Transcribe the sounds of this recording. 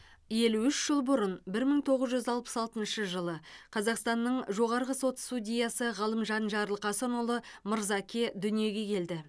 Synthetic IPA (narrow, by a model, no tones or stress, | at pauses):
je̞luʏʃʒ̥əlˠbʊɾənbɪɾməɴt̪ʰo̞ʁəzʒʏzɑlˠpə̥sɑlˠt̪ənʃəʒəlˠəqʰɑzɑqst̪ɑnːəɴʒo̞ʁɑɾʁəso̞t̪st̪udʲijɑsəʁɑlˠəmʒɑnʒɑɾlˠqʰɑsənolˠəməɾzɑkʲʰed̪ʏnije̞ɡʲe̞kʲʰe̞ld̪ɪ